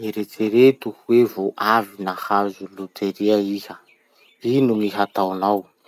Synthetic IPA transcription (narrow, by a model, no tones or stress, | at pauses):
iɾet͡seɾet̪uhwevoʔavinahazulut̪ʰeɾiaihə | inuŋiɦat̪awanaw